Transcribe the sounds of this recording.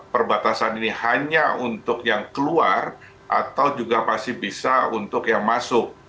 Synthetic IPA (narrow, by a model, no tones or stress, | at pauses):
pərbat̪asaninihaɲaunt̪ʊkjaŋkəluar | ʔa̰t̪awd͡ʒuɡamasɪhbisaunt̪ʊkjaŋmasʊk̚